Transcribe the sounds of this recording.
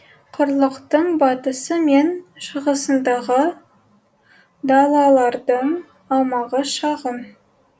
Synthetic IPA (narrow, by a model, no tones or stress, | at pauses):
qʰʊɾlˠəqt̪əɴbɑt̪əsəmenʃəʁəsənd̪ɑʁə | d̪ɑlˠɑlˠɑɾd̪əɴ | ɑmɑʁəʃɑʁəm